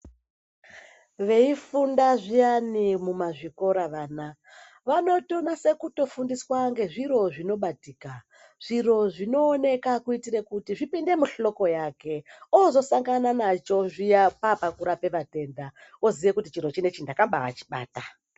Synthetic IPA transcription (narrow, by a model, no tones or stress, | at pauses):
ʋe̞ifundaʐijanimumaʐiko̞ɾaʋaːna | ʋano̞to̞nase̞kuto̞fundiswaŋɡe̞ʐiɾo̞ʐino̞ɓatiːka | ʐ̥iro̞ʐino̞ːne̞kakuitiɾekutiʐipinde̞muɬo̞ko̞jake̞ozo̞saŋɡananat͡ʃo̞ʐijapapakuɾape̞ʋate̞nda | oziʋekutit͡ʃiɾo̞t͡ʃine̞t͡ʃindakamba̰ːt͡ʃi̥ɓa̰ːta